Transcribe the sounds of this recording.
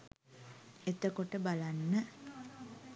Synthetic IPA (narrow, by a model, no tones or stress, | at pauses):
et̪əkoʈəbalanːə